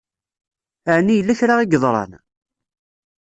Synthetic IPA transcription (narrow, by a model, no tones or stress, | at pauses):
əʕnijəlːæçɾaʁiɡðˤɾˤɑ̰n